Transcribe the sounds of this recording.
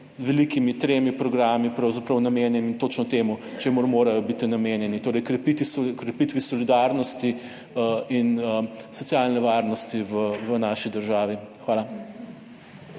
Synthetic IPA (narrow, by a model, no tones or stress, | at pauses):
ʋɛlikimit̪ɾeːmipɾɔɡɾaːmipɾawzapɾɐwnameːnjɛnit̪oːt͡ʃnɔt̪emut͡ʃemuɾmoːɾajɔbit̪inameːnjɛnit̪oːɾɛjkɾɛpit̪iskɾɛpit̪ʋisɔlid̪aɾnɔst̪i | inəsɔt̪sjaːlnɛʋaːɾnɔst̪iʋəʋənaʃid̪əɾʒaːʋixʋaːla